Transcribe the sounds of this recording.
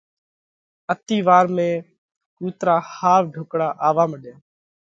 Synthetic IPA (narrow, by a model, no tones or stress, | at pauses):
ət̪iːʋaːɾmẽː | kuːt̪ɾaːhaːʋɖʱʊːkɽaːʔaːʋaːməɗẽː